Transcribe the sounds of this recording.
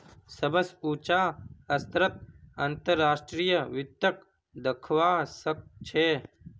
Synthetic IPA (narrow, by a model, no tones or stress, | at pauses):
səbəsuːt͡ʃaːɐst̪ɾət̪̚ə̃nt̪əɾːaːʃʈɾijəʋɪt̪jək | d̪əkʰʋaːsək̚t͡ʃʰeː